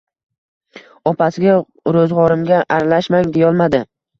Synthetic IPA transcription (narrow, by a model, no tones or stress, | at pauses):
ɒpʰasɪɡʲa | ɾɵzʁɒɾɪmɡʲaʔaɾalaʃmaŋd̪ejɒlˠmad̪ɪ